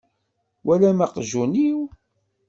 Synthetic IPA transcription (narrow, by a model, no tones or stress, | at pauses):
wʔælæmaqʒuniw